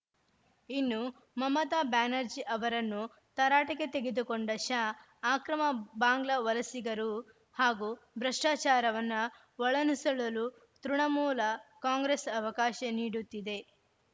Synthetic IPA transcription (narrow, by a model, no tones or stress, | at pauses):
inːu | mɐmɐt̪aːbaːnɐɾd͡ʒiʔɐʋɐɾɐnːu | t̪ɐɾaːʈɐket̪e̞ɡed̪ukoɳɖɐʃaː | aːkɾɐmɐbaːŋɡlɐʋɐlɐsiɡɐɾu | haːɡubɾɐʂʈaːt͡ʃaːɾɐʋɐnːɐ | ʋɔɭɐnisɐɭɐlu | t̪ɾuɳɐmuːlɐkaːŋɡɾesɐʋɐkaːʃɐniːɽut̪ːid̪e̞